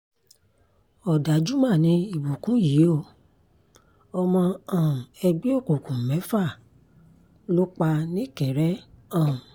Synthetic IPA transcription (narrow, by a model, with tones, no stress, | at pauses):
ɔ˨da˨d͡ʒu˦mã˦˨nĩ˨˦i˦˨bo˨kũ˨˦ji˨˦o˦˨ | ɔ˧mɔ̃˧ã˨ɛ˧ɡ͡be˦o˦˨ko˨kũ˨mɛ̃˨˦fa˦˨ | lo˦k͡pa˧nĩ˦kɛ˨ɾɛ˨˦ã˦˨